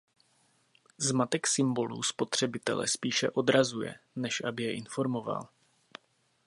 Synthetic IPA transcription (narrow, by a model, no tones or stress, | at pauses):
zmat̪ɛksɪmbo̞lṵːspo̞t̪r̝̥ɛbɪt̪ɛ̰lɛ̰spiːʃɛʔo̞d̪ɾazujɛ̰nɛʃʔabɪjɛʔɪnfo̞ɾmo̞va̰l